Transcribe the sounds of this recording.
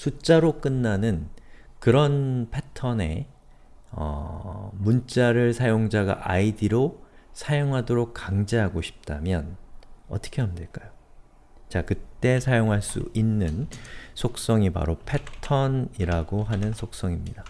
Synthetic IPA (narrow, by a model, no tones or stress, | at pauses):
sʰut͡ɕ͈aɾok͈ɯnːanɯnkɯɾʌnpʰe̞tʰʌne̞̰ | ʌ̰munt͡ɕ͈aɾɯɭsʰajoŋd͡ʑaɡa̰ʔaidiɾosʰajoŋɦadoɾok̚k͈aŋd͡ʑeɦaɡoɕʰi̥p̚t͈amjʌnʌ̰t͈ʌ̥kʰe̞ɦamdeɭk͈ajo | t͡ɕakɯt͈e̞sʰajoŋɦaɭs͈ṵʔinːɯnsʰok̚s͈ʌŋipa̰ɾopʰe̞tʰʌniɾaɡoɦanɯnsʰok̚s͈ʌŋimɲida